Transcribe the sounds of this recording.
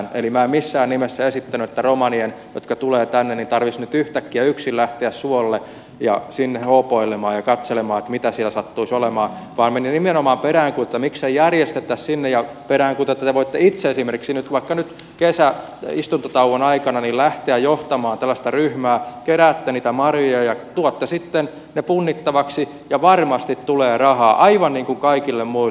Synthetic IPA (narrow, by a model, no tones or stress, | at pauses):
nḛlimæːemisːæːnnimesːæesit̪ːænyet̪ːæromɑnienjo̰t̪kɑt̪uleːt̪ænːenint̪ɑrʋisnyt̪yht̪ækːiæyksillæht̪eæssuolːe | jɑ̰sinːehoːpoilemɑːjɑkɑt̪selemɑːet̪mit̪æsilæsɑt̪ːuisolemɑːʋɑːnmeninimenomɑːmperæːŋkut̪et̪ːɑmiksejjærjest̪et̪ːæssinːejjɑ | peɾæːŋkut̪oet̪ːɑt̪eʋoit̪ːeit̪seesimerkiksinyt̪ʋɑikːɑnyt̪ | kesæ | ist̪unt̪ot̪ɑuʋonɑikɑnɑnillæht̪eæjoht̪ɑmɑːnt̪ælːæst̪ɑryhmæːkeræːt̪ːæniːt̪æmɑrjojɑjɑt̪uɑt̪ːɑsit̪ːen | nepunːit̪ːɑʋɑksi | jɑʋɑrmɑst̪it̪tuleːrɑhɑːʔɑiʋɑnniːŋkuŋkɑikilːemmui